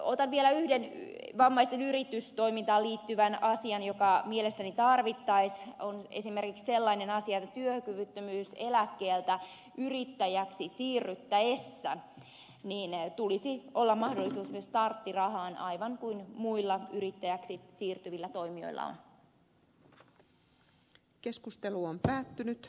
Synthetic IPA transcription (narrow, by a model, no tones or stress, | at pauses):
ot̪ɑnʋielæyhdenʋɑmːɑist̪enyɾit̪yst̪o̞imint̪ɑːliːt̪ːyʋænɑsiɑnjokɑmielest̪ænit̪ɑrʋit̪ːɑisonḛsimerkiksselːɑinenɑsiɑet̪ːæt̪yøkyʋyt̪ːømyːselækːeːlt̪æ | yrit̪ːæjæksisiːrːyt̪ːæesːæ̰ | niːnt̪ulisiʔo̞lːɑmmɑhdolːˑisuːsmyøst̪ɑrt̪ːirɑhɑːnɑiʋɑŋkuinmuilːɑyɾit̪ːæjæksisiːrt̪yʋilːæt̪oimio̞̰jlːɑ̰o̰n | ke̞skust̪eluompæːt̪ːynyt̪